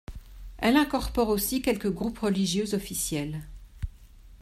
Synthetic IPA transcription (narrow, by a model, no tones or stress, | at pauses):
ɛlɛ̃kɔʁpɔʁosikʲɛlkəɡʁupʁəliʒjøzɔfisjɛl